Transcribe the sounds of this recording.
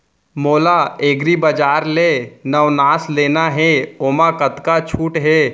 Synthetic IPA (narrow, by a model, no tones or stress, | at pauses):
moːlaeːɡɾibəd͡ʒaːɾlenəʋnaːsleːnaɦɛoːmakət̪kat͡ʃʰuːʈɦɛː